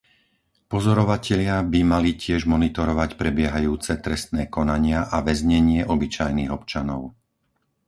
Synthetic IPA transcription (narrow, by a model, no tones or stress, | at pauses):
pɔzɔɾɔʋacɛʎɪabimalicɪɛʒmɔnit̪ɔɾɔʋacpɾɛbɪɛɦajuːt͡sɛt̪ɾɛst̪nɛːkɔnaɲɪaʔaʋɛzɲɛɲɪɛʔɔbit͡ʃajniːɣɔpt͡ʃanɔʊ